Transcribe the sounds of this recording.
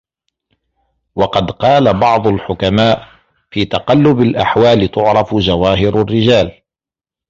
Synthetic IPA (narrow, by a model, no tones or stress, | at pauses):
wɑqɑd̪qɑːlabɑʕd̪ˤʊlħʊkamaːʔ | fiːt̪ɑqɑlːʊbalʔaħwaːlɪt̪ʊʕɾˤɑfd͡ʒawaːɦɪɾarːɪd͡ʒaːl